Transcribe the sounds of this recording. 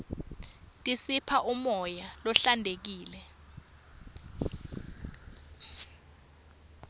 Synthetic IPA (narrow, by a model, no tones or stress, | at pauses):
tʼisipʰaʔumɔjalɔɬandʱek̬iːlɛ